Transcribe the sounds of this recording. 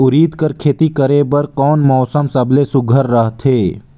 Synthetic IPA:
ʊɾiːd̪kəɾkʰeːt̪ikəɾebəɾkɔːnmɔːsəmsɐbʱlesʊɡʱəɾːəɦt̪ʰeː

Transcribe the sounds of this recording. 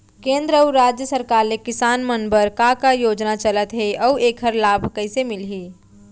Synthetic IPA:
kẽːnd̪ɾəuɾaːd͡ʒjəsəɾkaːɾlekɪsaːnmənbəɾkãkajoːd͡ʒnat͡ʃələt̪ɦeʔɔːeːkʰɦəɾlaːbʱkɐɪsemɪlɦiː

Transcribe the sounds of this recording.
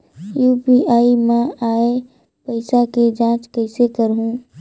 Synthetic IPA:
juːpiʔaːimɛ̃aːe | pɐɪsaked͡ʒãːt͡ʃkəɪsekəɾɦũː

